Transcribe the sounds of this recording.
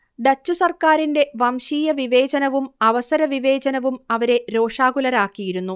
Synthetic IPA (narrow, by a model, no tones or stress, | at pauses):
ɖ̪ɐt͡ɕːusɐrkaːɾinde̞ʋɐmʂiːjɐʋiʋe̞ːt͡ɕɐnɐʋumɐʋɐsɐɾɐʋiʋe̞ːd͡ʑɐnɐʋumɐʋɐɾe̞ɾo̞ːʂaːɡulɐɾaːkːijiɾunːu